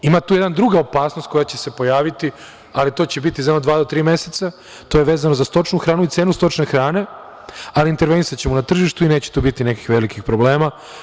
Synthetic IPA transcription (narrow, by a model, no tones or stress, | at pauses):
imat̪uːjed̪nd̪ɾuɡao̞paːsno̞st̪̚ko̞jat͡ɕese̞po̞jaːʋit̪i | alit̪o̞ːt͡ɕe̞bit̪izad̪mod̪ʋaːd̪ot̪ɾiːme̞set̪sa | t̪o̞jeʋe̞ːzanozast̪o̞t͡ʃnuxɾaːnuit̪seːnust̪o̞t͡ʃnexɾaːne̞ | aliint̪e̞ɾʋe̞nisat͡ɕemunat̪r̩ʒiʃt̪uine̞ːt͡ɕe̥t̪uːbit̪ineki̥xʋe̞likixpɾo̞ble̞ːma